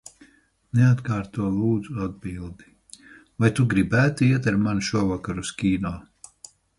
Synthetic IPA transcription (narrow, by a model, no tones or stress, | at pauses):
nɛat̪kaːɾt̪uɔlˠuːd̪zuad̪̚biːlˠd̪i | vajt̪uɡɾibæːt̪iiɛt̪aɾmanʃuɔvakaɾuskʲiːnuː